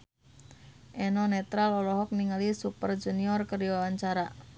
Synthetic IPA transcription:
ʔɛnɔnɛt̪ɾalɔlɔɦɔk̚niŋalisupərd͡ʒuniɔrkəriɔaɲt͡ʃaɾa

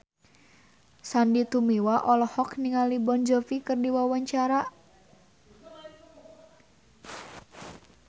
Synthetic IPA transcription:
sandit̪umiwaʔɔlɔhɔkniŋalibɔnd͡ʒɔfikɨrdiwawaɲt͡ʃaɾa

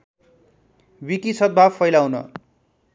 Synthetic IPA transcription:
bikisʰʌt̪̚bʱafʌjlawnʌ̰

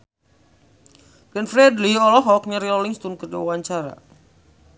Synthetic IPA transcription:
ɡ̥ɛnfɾɛdliɔlɔɦɔk̚ɲaɾilɔliŋst̪unkərdiawaɲt͡ʃaɾa̰

